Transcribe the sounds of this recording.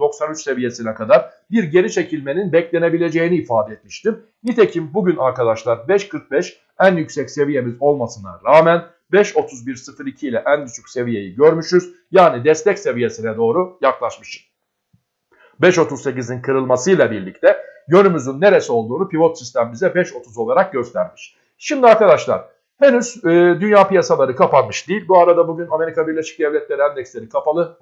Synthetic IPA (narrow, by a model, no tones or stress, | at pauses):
d̪o̞ksanyt͡ʃse̞vije̞sinɛkʰad̪aɾ | biɾɟe̞ɾit͡ʃʰe̞cʰilʲme̞ninbɛclʲe̞ne̞bilʲe̞d͡ʒe̞jiniːfaːd̪ɛɛt̪miʃt̪im | nit̪ʰe̞cʰimbuɟynaɾkad̪aʃlˠaɾbɛʃkʰɯɾk̚bɛʃ | ænjycsɛcse̞vije̞mizo̞lˠmasɯnd̪a̰ɾaːmæn | bɛʃo̞t̪ʰuzbiɾsɯfɯɾicʰilʲɛʔænbyt͡ʃʰycse̞vije̞jiɟøɾmyʃyz | jaːnid̪ɛst̪ʰɛcse̞vije̞sinɛd̪o̞ːɾujaklˠaʃmɯ̥ʃ | bɛʃo̞t̪ʰuzse̞cizinkʰɯɾɯlˠmasɯjlˠabiɾlʲict̪ʰɛjø̞nymyzynːe̞ɾe̞so̞lˠd̪uːnupivo̞t̪sist̪ʰæmimizd̪ɛbɛʃo̞t̪ʰuzo̞lˠaɾak̚ɟø̞st̪ʰæɾmiʃ | ʃimd̪iaɾkad̪aʃlˠa̰ɾ | henyzɯːd̪ynjaːpijasalˠaɾɯkʰapanmɯʃd̪ijilʲbuaɾad̪abuɟyname̞ɾikʰabiɾlʲe̞ʃi̥c̚d̪ɛvlʲɛt̪lʲe̞ɾiænd̪ɛcslʲe̞ɾikʰafalˠɯ